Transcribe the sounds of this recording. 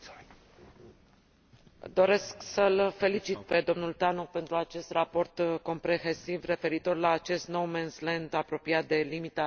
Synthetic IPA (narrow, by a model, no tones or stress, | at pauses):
d̪o̞ɾe̞sksəlfe̞lit͡ʃit̪̚pe̞d̪o̞mnult̪anok̚pe̞nt̪ɾuat͡ʃe̞st̪rapo̞rt̪ko̞mpɾe̞hesivre̞fe̞ɾit̪o̞rlaːt͡ʃe̞st̪no̞wmenslend̪apɾo̞piat̪̚d̪e̞limit̪a